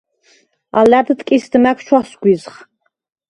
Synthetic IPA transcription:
a̰laːdɨt̪ʼkʲʼisd̪ɨmakʷʰt͡ʃʰasɡʷizχ

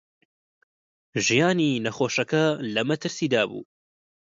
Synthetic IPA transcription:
ʒijaːninɐxoːʃɐkɐlɐmɐt̪ʰɨɾsiːd̪aːbṵː

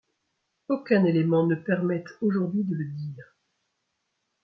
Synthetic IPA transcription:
okʲɛ̃nelemɑ̃nəpɛʁmɛt̪oʒuʁd̪ɥid̪ələd̪iːʁ

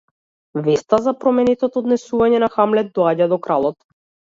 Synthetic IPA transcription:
vɛst̪azapɾɔmɛnɛt̪ɔt̪ɔːd̪nɛsuvaɲɛnaxamlɛd̪̚d̪ɔaɟad̪ɔkɾalˠɔt̪

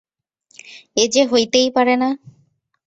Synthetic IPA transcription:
ed͡ʒeɦojt̪ejpaɾena

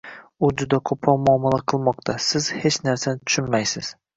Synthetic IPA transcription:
ʊd͡ʒʊd̪akʰopʰɾɒmʊɒmalˠaqʰɨlˠmɒqt̪ʰasɪz̥het͡ʃnaɾsanɪt̪ʰʊ̥ʃɪnmajsɪz̥

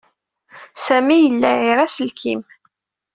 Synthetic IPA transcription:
sæmijəlːæiɾæsəlkʰim

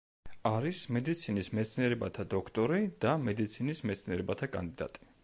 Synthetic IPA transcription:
aɾismɛd̪it̪sʰinismɛt̪sʰniɛɾɛbat̪ʰad̪ɔkʰt̪ʼɔɾid̪amɛd̪it̪sʰinismɛt̪sʰniɛɾɛbat̪ʰakʼa̰nd̪id̪a̰t̪ʼi̥

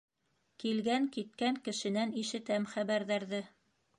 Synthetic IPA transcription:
kilɡæŋkit̪kæŋkɘ̆ʃɘ̆næniʃɘ̆t̪æmχæβæɾðæɾðɘ

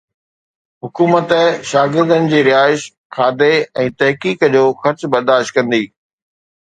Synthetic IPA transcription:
ɦʊkuːmət̪əʃaːɡɪɾd̪ənɪ̆d͡ʑiːɾɪɦaːɪʃ | kʰaːd̪eɛ̃ːt̪ɐɦkiːkd͡ʑoːxɐɾt͡ɕbɐɾd̪aːʃt̪̚kɐ̃nd̪iː

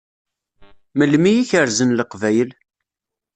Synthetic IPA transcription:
məlmijiçəɾzənləqvæjəl

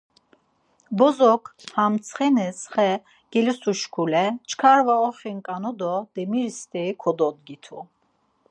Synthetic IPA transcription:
bɔzɔkʰhamt̪t͡sʰχɛnɛsχɛ | ɡ̥ɛlisuʃkʰulɛt͡ʃʰkʰaɾvaɔχiŋkʼanɔd̪ɔd̪ɛmiɾst̪ʰʼɛikʰɔd̪ɔd̪ɡit̪ʰu

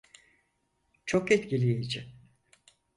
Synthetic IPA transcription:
t͡ʃʰokɛt̪cilʲijed͡ʒɪ

